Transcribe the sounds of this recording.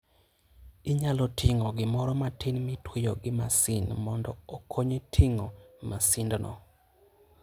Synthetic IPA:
iɲalɔtʰɪŋɔɡɪmɔɾɔmatɪnmɪtwejoɡɪmasɪnmɔndɔokʰoɲetʰiŋomasɪndnɔ̰

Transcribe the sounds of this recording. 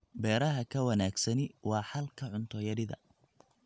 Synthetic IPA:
bɛːɾɐɦɐkʰɐwɐnaːɡsɐnɪwɑːħɐlkʰɐʕʊnt̪ʰɔjɐɾɪðɐ̰

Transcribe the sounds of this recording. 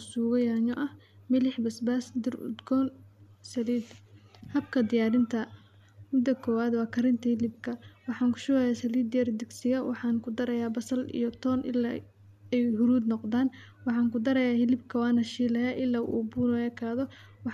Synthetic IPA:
suːɣɐjaːɲɔʔɐh | mɪlɪħbɐsbaːsd̪ɪrʊ̰d̪ɡɔːnsɐliːd̪hɐbkʰɐd̪ɪjaːɾɪnt̪ʰɐ | mɪd̪ɐkʰɔːwaːd̪wɑːkʰɐɾɪnt̪ʰɐhɪlɪb̚kʰɐwɑħɑːŋkʰʊ̥ʃʊːɣɛjaːsɐliːd̪jɐrd̪ɪɡsɪɣɐwɑħɑːŋkʰʊd̪ɐɾɐjaːbɐsɐlḭjɔt̪ʰɔːnʔɪ̰la̰ | ɛjhʊɾuːd̪nɔqd̪aːn | wɑħɑːŋkʊd̪ɐɾɐjaːhɪlɪbkʰɐwɑːnɐʃiːlɐjaːʔɪlːaːʔṵːbuːnɔɛːkʰaːðɔ | wɑ

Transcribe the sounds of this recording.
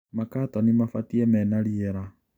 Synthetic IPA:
makatanimafatiɛmɛnaɾiɛɾa

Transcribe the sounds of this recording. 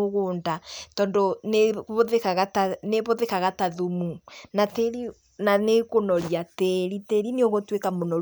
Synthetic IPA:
oɣoːndatɔndɔneβoðekaɣataneβoðekaɣataðumunateɾi | nanekonɔɾjateɾiteɾineoɣotwekamonɔ

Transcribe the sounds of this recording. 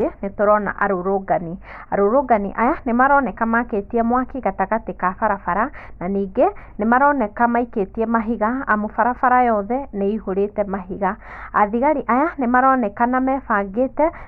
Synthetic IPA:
enetoɾɔna̰ʔaɾoɾoɡani | aɾoɾoɡanḭʔajanemaɾɔnɛkamaketiɛmwakiɡataɣatekafaɾafaɾananiːɡenemaɾɔnɛkamaiketiɛmaɦiɣaamofaɾafaɾajɔðɛneiɦoɾetɛmaɦiɣaa̰ðiɣaɾiʔajanemaɾɔnɛkanamɛfaɡetɛ

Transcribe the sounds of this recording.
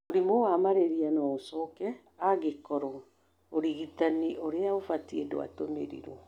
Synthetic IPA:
oɾimowamaɾeɾianɔosɔkɛ | aɣekɔɾɔ | oɾiɣitaniʔoɾeaofatiedo̰a̰tomḛɾḭɾɔ

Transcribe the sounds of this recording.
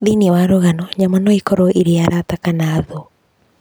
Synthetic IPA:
ðiniɛwaɾoɣanɔɲamanɔikɔɾoʔiɾeaɾatakanaːðɔ

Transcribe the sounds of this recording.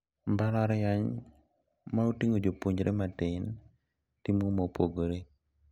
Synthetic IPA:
mbaɾaɾjaɲ | mautiŋod͡ʒopuɲd͡ʒɾʔematɪn | timomopoɡoɾe

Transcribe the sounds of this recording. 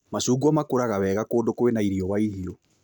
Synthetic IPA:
masuːɡwɔmakoɾaɣaβɛɣakoːndokoenaiɾiɔwaiɦiɔ

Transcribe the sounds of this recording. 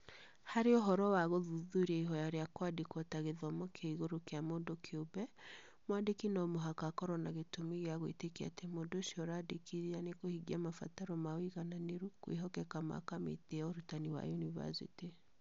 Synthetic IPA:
haɾeɔɦɔɾɔwaɣoðuðuɾiaiɦɔjaɾeakwadikɔtaɣeðɔmɔkʰeiɣoɾokeamondokʰeobɛ | mwadekinɔmoɦakakɔɾɔnaɣetomiɣeaɣwḛtekia̰temodoʃiɔɾadekiɾianekohiɡiamafa̰taɾɔmawiɣananeɾukwḛɦɔkɛkama̰kamḛteaoɾutaniwa̰juniva̰sḭti

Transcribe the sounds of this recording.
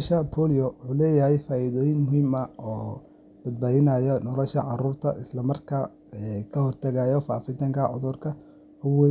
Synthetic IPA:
ʃɐpʰɔːlɪjɔwʊħuːlɛːjɐɦɛjfaːɪðɔːjɪŋmʊɦiːmɐɔː | b̥ɐd̪̚baːðɪnɐjɔnɔlɔʃɐʕɑruːrt̪ʰɐʔɪslɐmɐrkʰɐ | kʰɐɦɔrt̪ʰɐɣaːjɔfa̰ːfɪt̪ʰɐŋkʰɐʕʊ̰ðʊrkʰɐ | hʊwɛ

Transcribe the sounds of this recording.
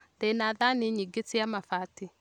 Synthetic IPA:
ðɛnaðaniɲiɡet͡siamafati

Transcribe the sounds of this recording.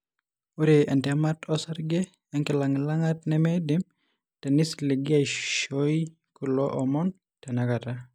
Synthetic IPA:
uɾeɛntɛmatʰɔsaɾɡe | ɛŋkilaŋlaŋatnɛmɛdim | tɛnisliɡiajʃoj | kulɔʔɔmɔn | tɛnakata

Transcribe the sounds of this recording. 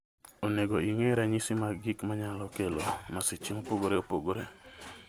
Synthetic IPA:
oneɡoiŋeɾaɲisimaɡɪkmaɲalɔkelomasit͡ʃiŋopoɡoɾeopoɡoɾe

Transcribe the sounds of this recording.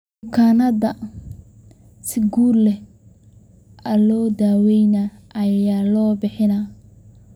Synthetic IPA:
mʊkʰaːnɐdɐ | sɪɡuːrlɛ | ɐlɔːd̪aːwɛjnaɐjaːlɔːbɪħɪna

